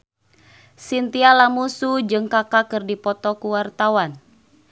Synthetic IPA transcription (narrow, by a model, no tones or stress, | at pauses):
sint̪ialamusud͡ʒɨŋkakakɨrdipɔt̪ɔkuwart̪awan